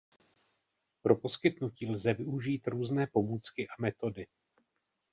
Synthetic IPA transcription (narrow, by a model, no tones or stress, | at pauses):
pɾo̞po̞skɪt̪nuciːlzɛvɪuʒiːt̪ɾuːznɛːpo̞muːt͡skɪʔamɛt̪o̞dɪ